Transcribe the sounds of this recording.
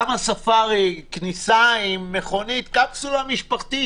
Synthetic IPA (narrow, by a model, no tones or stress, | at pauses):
amasafaʁiknisaimːeχo̞nit̪kafsulamiʃpaχt̪i